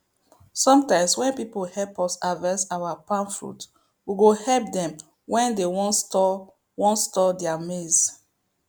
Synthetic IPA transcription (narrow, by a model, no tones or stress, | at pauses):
sɔ̃mtãɪ̃mswɛ̃npipohɛlpɔsavɛsawapãnfɹṵt | wiɡohɛlp̚dɛ̃m | wɛ̃ndewɔ̃nstɔ | wɔ̃ntstɔdɛamez